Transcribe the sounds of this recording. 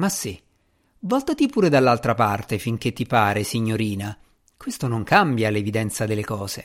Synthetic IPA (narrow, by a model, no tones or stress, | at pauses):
masːi | vɔlt̪at̪ipuːɾed̪alːalt̪ɾapart̪efiŋk̟et̪ːipaːɾesiɲːoɾiːna | kwest̪onoŋkambjalevid̪ɛnt̪sad̪elːekɔːz̥e